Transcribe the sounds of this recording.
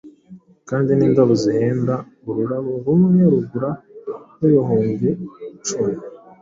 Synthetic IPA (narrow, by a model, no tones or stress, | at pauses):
kaːndiniːndaβoziheːndaβuɾuɾaβoɾumuneɾuɡuɾaɾojoɦoːɲɡet͡ʃumi